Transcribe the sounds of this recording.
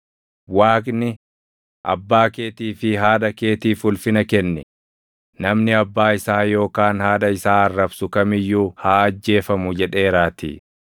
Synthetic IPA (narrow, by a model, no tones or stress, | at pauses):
waːkʼnɪ | ʔɐ̰bːaːke̞ːt̪iːfɪɦaːᶑɐke̞ːt̪iːfʊlfɪnɐkɛnːɛ | nɐmnɪɐbːaːɪsaːjo̞ːkaːnhaːᶑɐɪsaːɐrːɐbsʊkɐmɪjːuːhaːɐd͡ʒːe̞ːfɐmʊd͡ʒɛᶑe̞ːɾaːt̪ḭː